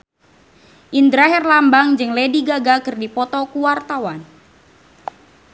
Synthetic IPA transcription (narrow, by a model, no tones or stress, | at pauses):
ʔind̪ɾaɦɛrlambaŋd͡ʒɨŋlediɡaɡakɨrdipɔt̪ɔkuwart̪awan